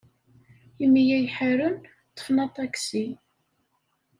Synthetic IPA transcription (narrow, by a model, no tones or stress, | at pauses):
imːjæjħaɾən | t̪ːə̥fnɑt̪ˤɑksi